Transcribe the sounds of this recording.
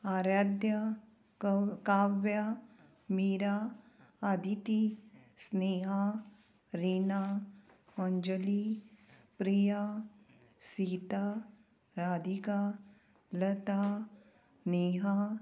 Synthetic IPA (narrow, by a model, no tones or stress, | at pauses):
aːɾaːd̪jɐ | kaːʋja | miːɾaː | d̪ʱit̪isneːɦa | ɾiːna | ɔnd͡ʒəli | pɾija | siːt̪a | ɾaːd̪ika | lɐt̪a | neːɦa